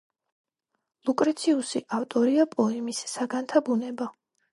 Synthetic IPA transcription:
lˠukʼɾɛt̪sʰiusiʔaft̪ʼɔɾiapʼɔɛmisːaɡant̪ʰabunɛba

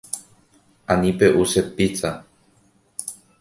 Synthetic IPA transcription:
ãnĩpe̞ʔusepit͡sa

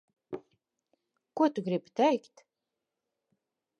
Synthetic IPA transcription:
kuɔt̪uɡɾibt̪ʰɛjkt̪

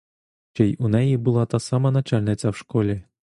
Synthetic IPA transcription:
t͡ʃɛjunɛjibɨlˠat̪asamɐnat͡ʃalʲnɨt̪sɐwʂkɔlʲɛ

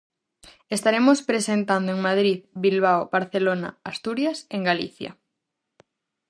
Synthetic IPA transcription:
est̪aɾemospɾesent̪and̪oeŋmað̞ɾiðbilβ̞awbaɾθelona̰ast̪uɾjaseŋɡalḭθja̰

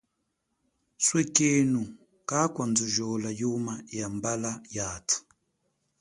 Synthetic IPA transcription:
swɛkɛnu | kakwand͡zuʒɔlajumajambalajat

